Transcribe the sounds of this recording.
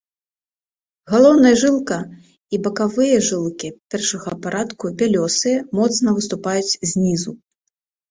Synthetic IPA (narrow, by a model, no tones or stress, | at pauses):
ɣalˠɔwnɐjɐʐɨlˠkɐ | ibɐkavɨjɐʐɨlˠkʲipʲɛrʂɐɣɐpaɾat̪kubʲalʲɔsɨjɐmɔt̪snɐvɨst̪upajut͡sʲzʲnʲizu